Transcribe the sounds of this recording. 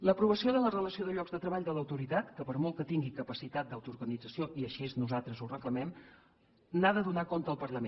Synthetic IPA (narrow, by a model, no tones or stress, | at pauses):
ləpɾuβ̞əsioðələrələsioðəʎɔɡzðət̪ɾəβaʎd̪ələwt̪uɾit̪at̪kəpəɾmɔlˠkət̪iŋɡikəpəsit̪at̪̚d̪əwt̪uɾɣənid͡zəsioʔiəʃeznuzalˠt̪ɾəzurəkləmɛm | naðəðunakont̪əːlˠpəɾləme